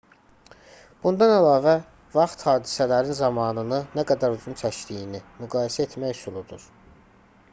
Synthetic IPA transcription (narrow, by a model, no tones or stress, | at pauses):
b̥und̪ɑnælˠɑːvæ | vɑχt̪hɑːd̪isælæɾinzɑmɑːnɯnɯnæɡæd̪æɾuzunt͡ʃʰæʃd̪ijinimyɡɑːjesæet̪mæjsulˠud̪ṵɾ